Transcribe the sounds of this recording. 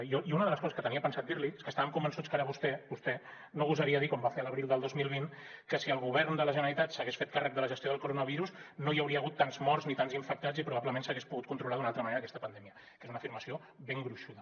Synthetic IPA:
iɔiunəðələskɔzəskət̪əniəpənsat̪̚d̪iɾlieskəst̪aβəmkumbənsut͡skaɾəβust̪ɛbust̪ɛ | noβuzəɾiəðikɔmbafeələβɾilˠd̪əlˠd̪ozmilˠβinkəsiəlˠɣuβɛɾnd̪ələʒənəɾit̪at̪səɣesfet̪̚karək̚d̪ələʒəst̪joðəlˠkuɾonəβ̞iɾuznojəwɾiəːɣut̪ːanzmɔrznit̪anziɱfək̚t̪ad͡zipɾuβapləmensəɣespuɣut̪̚kunt̪ɾulaðunalˠt̪ɾəmɐneɾːkɛst̪əpənd̪ɛmiə | kezunəfiɾməsio | beŋɡɾuʃuðə

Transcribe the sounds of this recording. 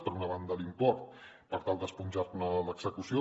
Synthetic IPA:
pəɾunəβand̪əlimpɔɾt̪̚ | pəɾt̪alˠd̪əspunʲʒarnələɡz̥əkusio

